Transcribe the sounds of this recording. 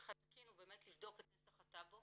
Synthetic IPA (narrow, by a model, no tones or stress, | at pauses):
χatakinube̞ːmetlivdo̞ketnesaχatabo